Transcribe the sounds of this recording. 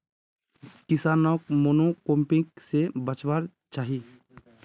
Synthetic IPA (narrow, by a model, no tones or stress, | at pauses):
kɪsaːnɔkmoːnokõːmpɪ̃ksebət͡ʃwaːɾ | t͡ʃaːɦi